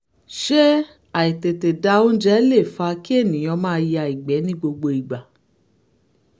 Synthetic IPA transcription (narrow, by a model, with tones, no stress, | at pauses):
ʃe˦ | a˨i˨te˨te˨da˧˦o˦d͡ʒɛ˦le˦˨fa˧ki˦e˦˨nĩ˨j̃ɔ̃˧mãː˦ja˧˨i˨ɡ͡bɛ˨˦nĩ˦ɡ͡bo˧ɡ͡bo˧i˨ɡ͡ba˨